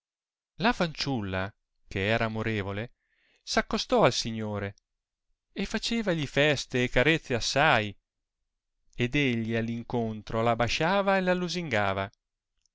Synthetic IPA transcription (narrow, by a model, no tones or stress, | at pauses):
lafant͡ʃulːa̰ | kʰeɛːɾaːmoɾeːvole | sakːost̪ɔalsiɲːoːɾe | efat͡ʃeːvaʎifɛst̪eːkːaɾet̪sːeasːaj | ed̪eʎːialːiŋkont̪ɾolabaʃaːvaelalːuziŋɡaːva